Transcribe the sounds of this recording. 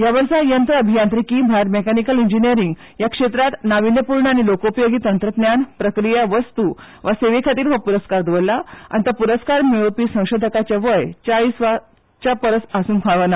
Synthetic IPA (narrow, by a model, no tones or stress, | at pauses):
jaʋəɾsajənt̪ɾəəbʱijãnt̪ɾikiːmbʱaɾmekanikəliɲd͡ʑinijəɾiŋɡ | jakʂet̪ɾat̪naʋinjəpuɾɳəaɽ̃ilokopjoɡiːt̪ənt̪ɾət̪njanpɾəkɾijaʋəst̪u | ʋaseʋekʰat̪iːɾʋapuɾəskaɾd̪ʋolːaa̰ñit̪əpuɾəskaɾmeɭopiːsə̃w̃ɕod̪ʱəkat͡ɕaʋəjt͡ɕaɭiːsʋa | t͡ɕapəɾəsasuːnfʰaʋəna